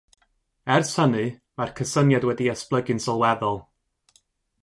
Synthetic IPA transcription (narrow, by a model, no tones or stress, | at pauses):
ɛrsənɨ | markʰəsənjadwɛdiɛsplˠəɡɨnsɔlˠwɛðɔlˠ